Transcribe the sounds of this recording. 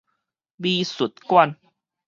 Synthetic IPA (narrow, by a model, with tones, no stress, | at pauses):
biː˧su˨˩t̪̚kwa˧˨n